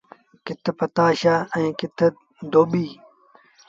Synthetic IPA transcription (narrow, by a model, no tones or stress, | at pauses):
kɪt̪ʰpɐt̪aːɕaːẽːkɪt̪ʰe | d̪oːbiː